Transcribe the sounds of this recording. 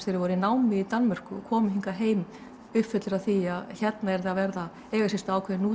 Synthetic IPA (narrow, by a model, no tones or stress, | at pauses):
θeɾɪɾvɔɾɪnaːwmɪit̪anmar̥kʏɔkʰɔːmʏɦiŋkaɦeːjm | ʏhpfʏt̪lɪɾawθiaðçɛt̪naɛɾðavɛɾða | ɛːɣasɪst̪aaːwkʰvɛːɪnuː